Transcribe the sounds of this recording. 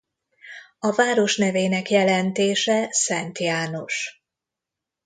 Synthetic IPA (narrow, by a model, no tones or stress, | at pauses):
ɒvaːɾo̞ʃnɛveːnɛkjɛlɛnt̪eːʃɛsɛnt̪jaːno̞ʃ